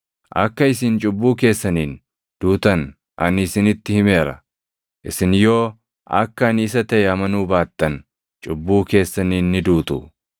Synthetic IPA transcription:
ʔɐ̰kːɐɪsɪnt͡ʃʼʊbːuːke̞ːsːɐniːn | d̪̥uːt̪ɐn | ʔɐ̰nɪsɪnɪt̪ːɪhɪmeːɾɐ̰ | ʔɪsɪnjo̞ː | ʔɐ̰kːɐːnɪs̬ɐt̪ɐʔɛɐmɐnuːbaːt̪ːɐn | t͡ʃʼʊbːuːke̞ːsːɐniːnːɪd̪uːt̪ʼṵ

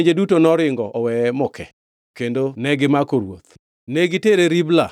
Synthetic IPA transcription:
ɲd͡ʒedutonɔɾɪŋɡɔʔɔwɛmɔkʰɛ | kendonɛɡɪmakoɾwo̰t̪̚ | neɡɪteɾeɾibla̰

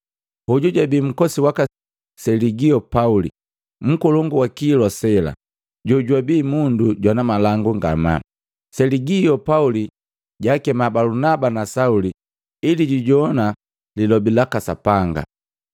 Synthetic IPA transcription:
huɟuɟwabiːm̩kɔsiwaka | sɛliɡiɔpaulḭ | m̩kɔlɔŋɡuwakiːlɔsɛla̰ | ɟɔɟwabiːmunduɟwanamalaŋɡuŋɡa̰ma̰ | sɛliɡiɔpauli | ɟakɛmabalunabanasauli | iliɟiɟɔna | lilɔbilakasapaŋɡa̰

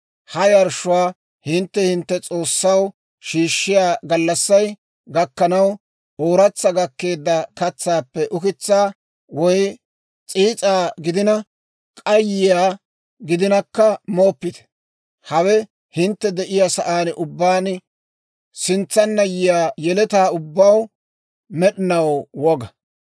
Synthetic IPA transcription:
hɐjɐɾʃʊwaː | hɪnt̪ːɛhɪnt̪ːɛt͡sʼo̞ːsːɐw | ʃiːʃːɪjaːɡɐlːɐsːɐj | ɡɐkːɐnɐw | ʔoːɾɐt͡sːɐɡɐkːe̞ːd̪ːɐkɐt͡sːaːpːɛʔʊkɪt͡sːaː | wɔj | t͡sʼiːt͡sʼaːɡɪd̪ɪnɐ | kʼɐjɪjaː | ɡɪd̪ɪnɐkːɐmo̞ːpːɪt̪ɛ̥ | hɐwɛ | hɪnt̪ːɛd̪ɛʔɪjasɐʔaːnʔʊbːaːn | sɪnt͡sːɐnːɐjɪjaːjɛlɛt̪aːʊbːɐw | mɛɗɪnɐwwɔɡɐ

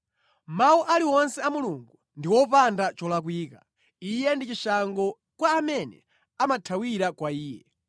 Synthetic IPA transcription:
mawuʔaliwɔnsɛamuluŋɡu | ndiwɔpandat͡ʃɔlak̬wiːka | ijɛndit͡ʃiʃaŋɡɔ | kwaːmɛnɛ̰ | amatʰawiɾakwaiːjɛ

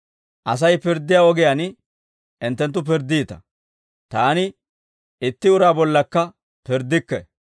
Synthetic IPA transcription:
ʔɐs̬ɐjpɪɾd̪ːɪjaːɔɡɪjɐn | ʔɪnt̪ːɛnt̪ːʊp̬ɪɾd̪ːiːt̪ɐ̥ | t̪aːnɪ | ɪt̪ːɪʊɾaːbɔlːɐkːɐ | pɪɾd̪ːɪkːɛ

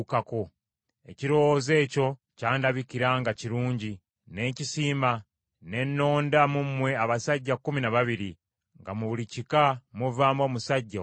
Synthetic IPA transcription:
kako̞ | e̞̰ciɾo̞woze̞ːco̞ | caːndaβikiɾaŋɡaciɾuːɲɟi | ne̞cisiːma | ne̞nːo̞ːndamumwe̞aβasaɟːakuminaβaβiɾi | ŋɡamuβulicikamuvaːmo̞ːmusaɟːa

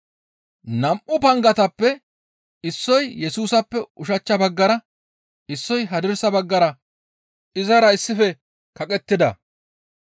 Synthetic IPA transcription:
nɐmʔʊpɐŋɡɐt̪ɐpːɛ | ɪsːɔjjɛsuːsɐpːɛʊʃɐt͡ʃːɐbɐɡːɐɾɐ | ɪsːɔjɦɐd̪ɪɾsɐbɐɡːɐɾɐ | ɪzɐɾɐɪsːɪfɛ | kɐkʼɛt̪ːɪd̪ɐ̰

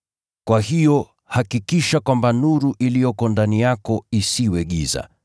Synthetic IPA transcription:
kwahijɔ | hakikiʃakwambanuɾuʔilijɔkɔndanijakɔisiwɛɠiza̰

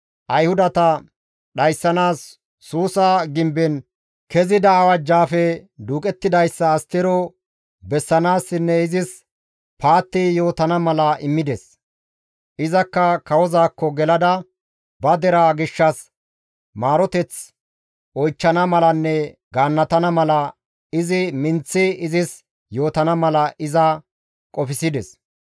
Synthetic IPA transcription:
ʔɐjhʊd̪ɐt̪ɐ | ɗɐjsːɐnaːsː | uːsaɡɪmbɛn | kɛzɪd̪ɐːwɐd͡ʒːaːfɛd̪uːkʼɛt̪ːɪd̪ɐjsːɐːst̪ːɪɾɔ | bɛsːɐnaːsːɪnːɛɪzɪs | paːt̪ːɪjo̞ːt̪ɐnɐmɐlɐʔɪmːɪd̪ɛs | ʔɪzɐkːɐkɐwɔzaːkːɔɡɛlɐd̪ɐ | bɐd̪ɛɾaːɡɪʃːɐs | maːɾɔt̪ɛt͡s | ɔjt͡ʃːɐnɐmɐlɐnːɛɡaːnːɐt̪ɐnɐmɐlɐ | ɪzɪmɪnt͡sːɪɪzɪs | jo̞ːt̪ɐnɐmɐlɐʔɪzɐ | kʼɔfɪsɪd̪ɛs

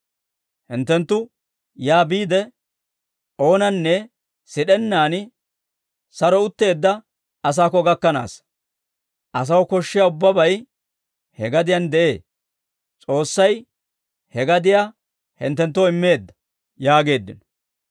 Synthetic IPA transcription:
hɪnt̪ːɛnt̪ːʊ | jaːbiːd̪ɛ | ʔo̞ːnɐnːɛ | sɪɗɛnːaːn | sɐɾɔʊt̪ːe̞ːd̪ːɐ | ɐs̬aːkːɔɡɐkːɐna̰ːs | ʔɐs̬ɐwkɔʃːɪjaːʊbːɐbɐj | hɛɡɐd̪ɪjand̪ɛʔe̞ː | t͡sʼo̞ːsːɐj | hɛɡɐd̪ɪjaː | hɪ̰nt̪ːɛnt̪ːɔɪmːe̞ːd̪ːɐ̥ | jaːɡe̞ːd̪ːɪ̰n

